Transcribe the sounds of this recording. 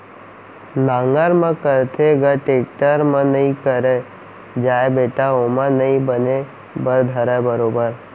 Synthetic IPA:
nãːŋɡəɾmãkəɾt̪ʰeɡəʈek̚ʈəɾmə̃nəĩkəɾe | d͡ʒaːebeːʈaomãnəĩbəne | bəɾd̪ʱəɾabəɾoːbəɾ

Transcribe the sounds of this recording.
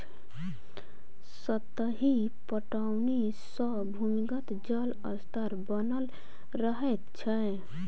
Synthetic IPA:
sət̪əɦi | pəʈawni | sə | bʱumiɡət̪d͡ʒələ̰st̪əɾbənəl | ɾəɦɛt̪t͡ʃʰə

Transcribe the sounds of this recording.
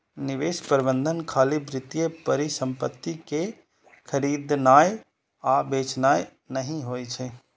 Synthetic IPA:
nɪʋeːspəɾɪbənd̪ʱənkʰaːlibɾɪt̪ijepəɾisə̃mpət̪ːike | kʰəɾid̪naːj | abeːt͡ʃnaːj | nəɦĩɦoːjt͡ʃʰe

